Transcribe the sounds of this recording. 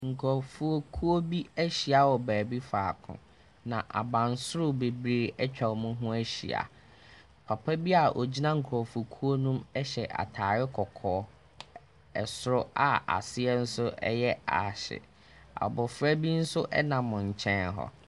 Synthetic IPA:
ŋ̩˨kʰɔ˨fu˦o˦kʰu˦o˦bi˦æ˦ɕi˨a˨˦wɔ˨bæː˨bi˦faː˨kʰʊ̰̃˨ | nã˨ʔa̰˨bã˨n˨sʊ˦ɾʊ˦˨be˨bɾe˦˨ɛ˦t͡ɕᶣʰa˨wmʊ̃˦ɦʊ̃˦æ˦ɕḭ˨a̰˨ | pʰa˨pʰa˦bi˦a˨ʔo˨d͡ʑi˦nã˦ŋ̩˨kʰɾɔ˨fu˨o˨kʰu˦o˦nũ˦mɛ˦ɕɛ˨ʔa̰˨tʰaː˨ɾɪ˦kʰɔ˨kʰɔː˨˦ | ɛ˨sʊ˦ɾʊ˦a˨a̰˨sɪ˦ɛ˦n̩˦sʊ˦ʔɛ̰˦jɛ˦a̰˨ɕɪ̰˨ | a̰˨bɔ˨fɾæ˦bi˦n̩˦sʊ˦ʔɛ˦nãː˨ʊ̃˨ɲ̩˨t͡ɕʰɛ̃˦nɦɔ̰˨

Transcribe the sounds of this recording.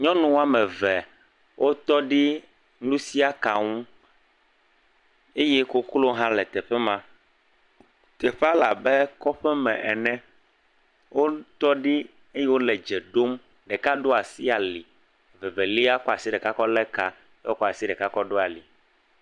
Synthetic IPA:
ɲɔ̃˦nũ˦wa˦mɛ̃˨vɛ˨ | wʔo˦t̪ɔ˦ɖi˦ | nũ˦si˦a˦ka˨ŋũ˦ | e˦jɛ˦ko˦klo˦ɦã˦lɛ˨t̪ɛ˨ɸɛ˦mã˦ | t̪ɛ˨ɸa˦la˨bɛ˦kɔ˦ɸɛ˦mɛ̃˨ʔɛ˨nɛ̃˦ | wʔo˦t̪ɔ˦ɖi˦ | e˦jɛ˦wo˦lɛ˨d͡ʒɛ˨ɖo˦m | ɖɛ˨ka˦ɖo˦a˨si˦a˨li˨ | vɛ˨vɛ˨li˦a˦kɔ˦a˨si˦ɖɛ˨ka˦kɔ˦lɛ˦ka˨˦ | o˦kɔ˦a˨si˦ɖɛ˨ka˦kɔ˦ɖo˦a˨li˨

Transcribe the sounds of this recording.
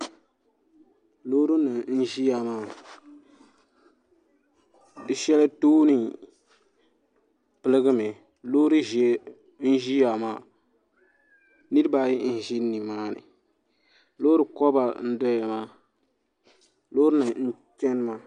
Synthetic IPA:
loː˦ɾu˦na˨n̩˦ʒi˦ja˨maː˦˨ | dɨ˨ʃɛ˦la˦toː˦ni˨ | pɨ˨lɨ˦ɡɨ˦mɛ˨ | loː˦ɾɨ˦ʒ | n̩˦ʒi˦ja˨maː˦˨ | nɨ˦ɾɨ˦ba˨jɪ˦n̩˨ʒɪ˦ni˨maː˦nɨ̰˨ | loː˦ɾɨ˨kɔ˦ba˨n̩˦dɔ˦ja˨maː˦ | loː˦ɾɨ˦nɨ˨n̩˦ | t͡ʃɛ˦n˦ma˨

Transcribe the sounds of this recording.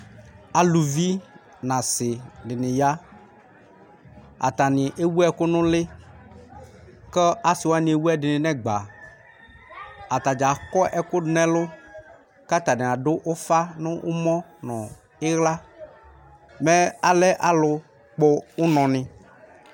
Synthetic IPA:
a˨lu˨vi˦ | nã˨sɪ˨ɖɪ˨nɪ̃˨ja˦ | a̰˨t̪a˨nɪ̃˨ʔe˦wu˦ɛ˦kʊ˦nʊ̃˦lɪ˦ | kɛ˦a˦sɪ˨wa˦nĩ˨e˨wu˦ɛ˦ɖɪ˨nɪ̃˨nɛ̃˦ɡ͡ba˨ | a˨t̪a˨d͡ʒa˨kɔ˦ʔɛ˨kʊ˦nɛ̃˦lʊ˦ | ka˦t̪a˨n˨a˨ɖʊ˦ʔʊ˦fa˦nʊ̃˦ʔʊ˦mɔ̃˦nɔ̃˨ | ɪ˦ɣla˦ | mɛ̃˦a˨lɛ˦ʔa˨lʊ˨ | k͡po˦ʊ˦nɔ̃˨nɪ̃˨

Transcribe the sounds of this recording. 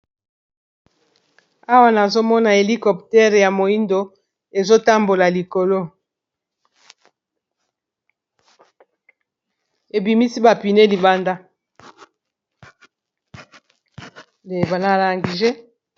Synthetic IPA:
a˦wa˨na˨zo˦mɔ˦na˨e˨li˦kɔ˨ptɛ˦ʁja˨mo˨i˦ndo˨ | e˨zo˦ta˦mbo˨la˨li˨ko˨lo˦ | e˨bi˨mi˦si˦ba˨pi˨ne˦li˨ba˦nda˦ | le˨ba˨na˦˨la˨ŋɡi˨ʒe˦

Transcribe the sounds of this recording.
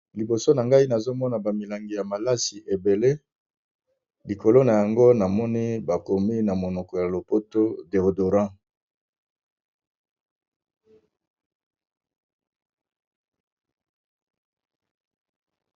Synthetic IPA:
li˨bo˨so˦na˨ŋɡa˦i˦na˨zo˦mɔ˦na˨ba˨mi˨la˨ŋɡi˨ja˨ma˨la˦si˨ʔe˨be˨le˦ | li˨ko˨lo˦na˨ja˨ŋɡo˦na˨mɔ˦ni˦ba˨ko˨mi˦na˨mo˨nɔ˨kɔ˨ja˨lo˨po˦to˦de˨ʁdo˨ʁã˦

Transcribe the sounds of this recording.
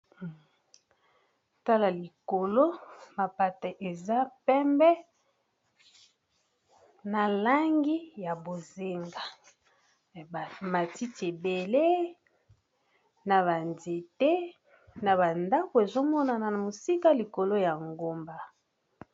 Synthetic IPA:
ta˦la˨li˨ko˨lo˦ma˨pa˨ta˨ʔe˨za˦pɛ˦mbɛ˦ | na˨la˦ŋɡi˦ja˨bo˨ze˨ŋɡa˨ | ma˨ti˦te˨be˨le˦ | na˨βa˨nde˨te˦ | na˨βa˨nda˦ko˨e˨zo˦mɔ˦na˨na˨na˨mo˨si˦ka˦li˨ko˨lo˦ja˨ŋɡo˨mba˨

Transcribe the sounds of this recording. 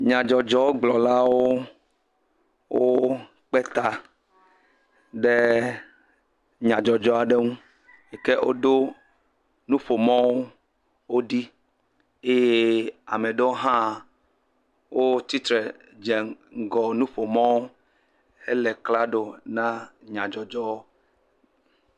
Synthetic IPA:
ɲã˨d͡ʒɔ˨d͡ʒɔ˦wo˦ɡ͡blɔ˨la˦wo˦ | wʔo˦ | k͡pɛ˦t̪a˦ | ɖe˦ | ɲã˨d͡ʒɔ˨d͡ʒɔ˦a˨ɖe˦ŋũ˦ | e˨ke˦ʔo̰˦d̪o˦ | nũ˦ɸo˨mɔ̃˦wo˦ | wo˦ɖi˦ | e˦je˦a̰˨me˨ɖɔ˦o˦ɦã˦˨ | wʔo˦t̪i˦t̪ɾɛ˨ | d͡ʒɛ˨ŋ̩˦˨ɡɔ˨nũ˦ɸo˨mɔ̃˦wo˦ | e˦lɛ˨kla˦ɖo˦nã˦ɲã˨d͡ʒɔ˨d͡ʒɔ˦

